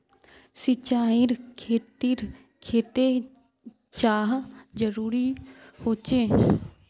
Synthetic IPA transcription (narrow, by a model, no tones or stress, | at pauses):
sɪt͡ʃaːiɾkʰeːt̪iɾ | kʰeːt̪eː | t͡ʃaːɦd͡ʒəɾuːɾiːhoːt͡ʃeː